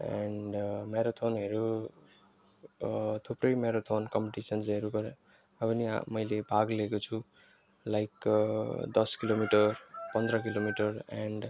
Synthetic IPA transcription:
ɛɳɖmeɾot̪ʰonɦʌɾu | t̪ʰuprʌjmeɾot̪ʰonkʌmpeʈisʌnd͡zʌɾupʌɾ | ʌbʌnḭmʌjlebʱaɡlekot͡sʰu | lajk | d̪ʌskilomiʈʌrpʌnd̪ɾʌkilomiʈʌraɳɖ

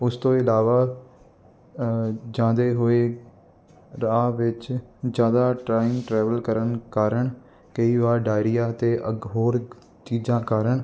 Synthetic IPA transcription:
ʊst̪õːɪlaːʋaː | d͡ʒãːd̪eːɦoːeː | ɾaːʋɪt͡ʃd͡ʒjaːd̪aːʈɾaːɪŋɡʈɾɛːʋəlkəɾənkaːɾəɳ | kəiːʋaːɾɖaːɪɾijaːət̪eːʔəɡɦoːɾ | t͡ʃiːd͡ʒãːkaːɾəɳ

